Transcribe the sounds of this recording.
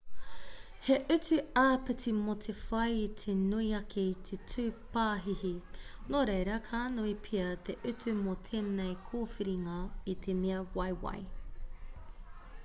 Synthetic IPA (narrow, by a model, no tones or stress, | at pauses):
heʔʉt͡sʉaːpɨtimot̪ʰefɐjit̪ʰenuiɐkʰeit̪ʰetʰʉːpaːɦihinoɾejɾɐkʰaːnuipʰiɐt̪ʰeʔʉt͡sʉmot̪ʰeːnejkʰoːfiɾiŋɐit̪ʰemiɐwɐjwɐ̰j